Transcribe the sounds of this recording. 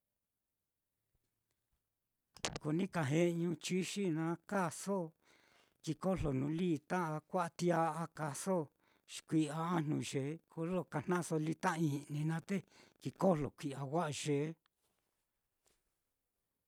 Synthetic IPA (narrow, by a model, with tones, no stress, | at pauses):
ko˨nĩ˦ka˨ɦẽ˧ʔɲũ˧t͡ʃi˦ʃi˦nã˧˦ka˦˨so˦ | ki˧ko˦lo˨nũ˧˦liː˦t̪ã˦ʔa˧kʷa˦ʔa˧t̪i˦a˧˦a˧ka˧so˦ | ʃi̥˨kʷi˧a˧a˦n̥ṵ̃˧ʒe˨˦kʰo˧lo˦˧˨ka˧˨n̥ã˦ʔso˧li˧t̪ã˦ʔi˧nĩ˧nã˦t̪e˦˨ki˧ko˦lo̰˨kʷi˧˨a˧wa˦ʔa˧ʒe˨˧˦